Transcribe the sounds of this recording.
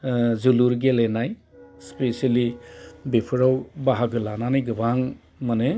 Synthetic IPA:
zuluɾɡelenaj | spesalibepʰɯɾawbaɦaɡɯlananajɡɯbaŋ | mane

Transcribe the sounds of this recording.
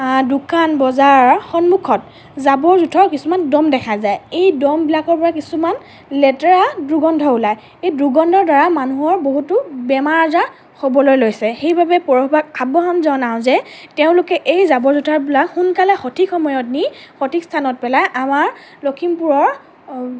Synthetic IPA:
dukanbɔzaɹxɔnmukʰɔt̚ | zabɔɹzutʰɔɹkisumandɔmdɛkʰazajejdɔmbilakɔɹpɔɹakisuman | lɛtɛɹadɹuɡɔndʱɔʊlaj | ejdɹuɡɔndʱɔɹdaɹamanuɦɔɹboɦutʊbɛmaɹaza | xobɔlojlojsɛxejbabɛpɔɹɔxbak̚abɔɦamzanaw̃zɛteʊ̃lʊkɛʔejzabɔɹzutʰaɹbilakxunkalɛxotʰikxɔmɔjɔt̚nixotʰikstʰanɔt̚pɛlajʔamaɹ | lokʰimpuɹɔɹ

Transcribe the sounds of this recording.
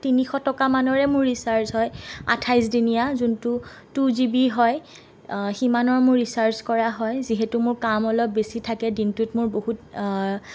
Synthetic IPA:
tinixɔtɔkamanɔɹɛmʊɹːisaɹsɦɔja̰tʰajzdinijazuntʊ | tuzibiɦɔj | ximanɔɹmʊɹːisaɹskɔɹaɦɔjziɦɛtʊmʊɹkamɔlɔp̚besitʰakɛdintutmʊɹbohut

